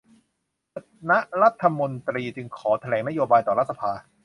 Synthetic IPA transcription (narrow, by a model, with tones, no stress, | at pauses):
a˧˦ | na˦˥ʔɾa˦˥t̪ʰːa˧mo˧nt̪ɾiː˧t͡ɕɯ˧ŋkʰɔː˩˦t̪ʰa˧lɛː˩˦ŋna˦˥joː˧baː˧jt̪ɔː˨˩ɾa˦t̪̚sa˧pʰaː˧